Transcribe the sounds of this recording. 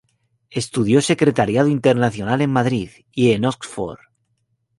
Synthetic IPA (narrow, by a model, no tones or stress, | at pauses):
e̞st̪uð̞jose̞kɾe̞t̪aɾjað̞oint̪eɾnaθjo̞nale̞mmaðɾið | ienokfo̰ɾ